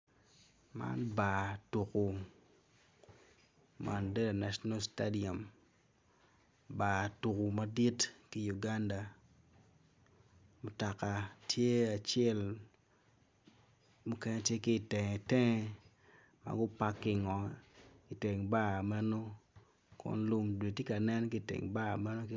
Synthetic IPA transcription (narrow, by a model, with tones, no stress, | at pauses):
ma̰˦nba˨tu˨ku˨ | ma̰˨nde˦da˨na˨ʃɔ˦na˦lsta˦di˨a˨m | ba˨tu˨ku˨ma˦di˦tki˨ju˨ɡa˦nda˨ | mʊ˨ta˨ka˨tʰje˦a˨t͡ʃɛ˦l | mu˦kɛ˦ɲe˦tje˦kɪ˦˨tɛ˨ŋɛ˨tɛ˦ŋɛ˦ | ma̰ɡʊ˦pa˦kːɪ˦ŋɔ˨i˨te˨ŋba˦˨mɛ˦no˦ | kɔ̰˦nlu˦mdwe˨ti˦ka˨nɛ˦nki˦tḛ˨ŋba˦˨mɛ˦no˦k